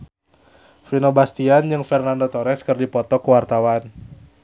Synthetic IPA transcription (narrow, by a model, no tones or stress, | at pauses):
finobast̪iand͡ʒɨŋfɛrnandot̪oɾɛskɨrdipɔt̪ɔkuwart̪awan